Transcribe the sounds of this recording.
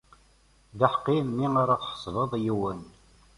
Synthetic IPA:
ðəħqːimːiaɾaθħə̥sˤðˤəðˤjiwən

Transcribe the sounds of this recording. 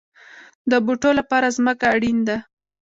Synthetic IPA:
d̪əbuʈolapɑɾazməkaːɽind̪a

